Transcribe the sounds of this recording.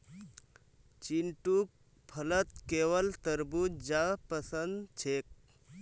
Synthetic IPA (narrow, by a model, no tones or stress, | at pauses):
t͡ʃinʈuk̚ | pʰələt̪kewəlt̪əɾbut̪̚d͡ʒapəsənd̪t͡ʃʰek̚